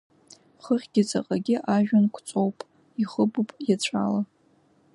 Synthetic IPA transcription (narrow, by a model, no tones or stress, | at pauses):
χəχʲɡ̥ʲɪt͡sʼa̰qʼaɡʲɪʔaʒᶣankʷʰt͡sʼowpʼ | iχəbupʼjat͡ɕʷʰa̰la